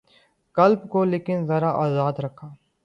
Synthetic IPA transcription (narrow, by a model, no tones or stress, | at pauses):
kɐlbkoleːkɪnzɐɾaʔaːzaːd̪ɾɐkʰaː